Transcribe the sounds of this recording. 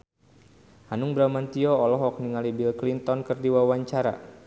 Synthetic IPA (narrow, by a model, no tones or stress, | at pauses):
hanuŋbɾamant̪iɔɔlɔɦɔk̚niŋalibilklint̪ɔnkɨrdiwawaɲt͡ʃaɾa̰